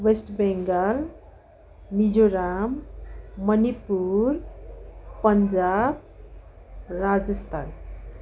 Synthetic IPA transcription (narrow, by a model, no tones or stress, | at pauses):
wesʈbeŋɡəl | mid͡ʒoɾamː | ənipuɾ | pənd͡ʒab̚ | ɾad͡ʒəst̪ʰaːn